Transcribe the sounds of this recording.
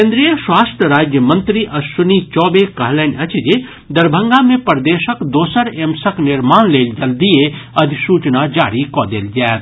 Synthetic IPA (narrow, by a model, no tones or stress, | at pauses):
kẽnd̪ɾijəsʋaːsʈɾəɾaːd͡ʒjəmɐnt̪ɾiʔɐsʊnit͡ʃɔːbeːkɐɦlɛːnʲɐt͡ʃʰid͡ʒe | d̪ɐɾbʱɐ̃ŋɡamẽpɐɾd̪eːʃəkd̪oːsəɾeːmsəknɪɾmaːnleːld͡ʒɐld̪ieɐd̪ʱisuːt͡ʃnad͡ʒaːɽikɔːd̪ḛːld͡ʒaːt̪